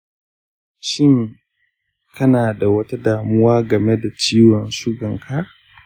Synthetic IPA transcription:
ʃɪ˦ŋ | kʰɐ˦naː˨da˨wɐ˦ta˦daː˨mʊ˦waː˦ɡɐ˨me˦da˨t͡ʃiː˦wɔ˨nʃʊ˦ɡɐ˨ŋkʰa˦

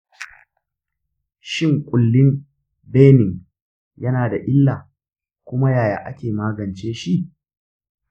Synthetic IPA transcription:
ʃɪ˦ŋkʷʼʊ˨lːɪ˦m | beː˦nɪ˨ŋ | jɐ˦naː˨da˨ʔɪ˦lːaː˨ | kʷʊ˦ma˦jaː˨ja̰ː˨ʔa˦kʲeː˨maː˦ɡɐ˨nt͡ʃeː˦ʃi˦ʔ

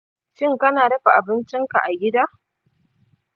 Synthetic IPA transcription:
ʃɪ˦ŋkɐ˦naː˨ɽɐ˦ɸa˨ʔa˨bɪ˦nt͡ʃɪ˦ŋka̰˨ʔa˨ɡʲɪ˦daː˦

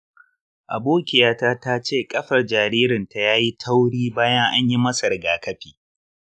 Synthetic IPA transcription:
ʔa̰˨boː˦kʲɪ˨jaː˦taː˦ta˦t͡ʃeː˦˨kʼɐ˦ɸɐ˨rd͡ʒaː˨ɾiː˦ɾɪ˨nta˨jaː˦ji˦tʰa˦wɽiː˦baː˦jɐ˦ŋʔa˦ɲji˦mɐ˦sɐ˨rɡaː˨kɐ˦ɸiː˨

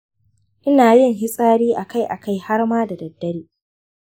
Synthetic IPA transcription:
ʔɪ˦naː˨jɪ˦˨ŋɦɪ˦sʼaː˦ɽiː˦ʔa˨ka˦˨jʔa˨ka˦jha˦rmaː˦da˨dɐ˨dːɐ˦ɽiː˦

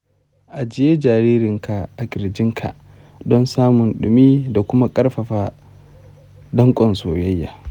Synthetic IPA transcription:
ʔa˨d͡ʒɪ˦je˦d͡ʒaː˨ɾiː˦ɾɪ˨ŋka˨ʔa˨ɡʲɪ˨ɾd͡ʒɪ˦ŋkʰa̰˨ʔ | dɔ˦nsaː˦mʊ˨nɗʊ˨miː˦da˨kʷʊ˦ma˦kʼɐ˦rɸɐ˨ɸaː˦ | dɐ˦ŋkʷʼɔ˨nsoː˨jɐ˦jːa̰˨

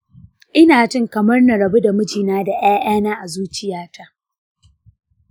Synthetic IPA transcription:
ʔɪ˦naː˨t͡ʃɪ˦ŋkɐ˨mɐ˦rnɐ˨ɾɐ˨bu˦da˨mʊ˦d͡ʒiː˨naː˦da˨ʔaː˦ʔaː˦naː˦ʔa˨zuː˦t͡ʃɪ˦jaː˦ta˦ʔ

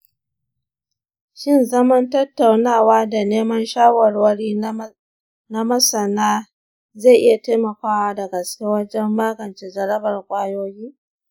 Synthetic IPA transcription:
ʃɪ˦˨nzɐ˦mɐ˦ntɐ˦tːa˨wnaː˦˨waː˦da˨neː˦mɐ˦nʃaː˦wɐ˨rwɐ˦ɽiː˦ | na˦mɐ˦sɐ˨naː˦ | za˦˨ʔɪ˦ja˨taː˦mɐ˨kʷaː˦wa˦dɐ˨ɡɐ˨skʲe˦wɐ˦d͡ʒɛ˦mːaː˦ɡɐ˨nt͡ʃe˨zɐ˨ɾɐ˦bɐ˨rkʷʼaː˦joː˦jiː˦

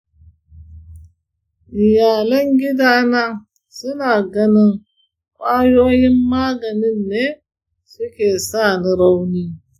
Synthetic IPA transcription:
ʔɪ˨jaː˨lɐ˦ŋɡʲɪ˦daː˦na˦ | sʊ˦naː˨ɡɐ˦nɪ˦ŋ | kʷʼaː˦joː˦jɪ˦mːaː˦ɡɐ˨nɪ˦nːeː˦ | sʊ˦kʲeː˨saː˦˨ni˦ɾa˦wniː˦

